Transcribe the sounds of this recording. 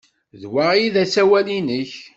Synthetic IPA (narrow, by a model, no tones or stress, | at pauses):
ðwajiðæsæwælinəç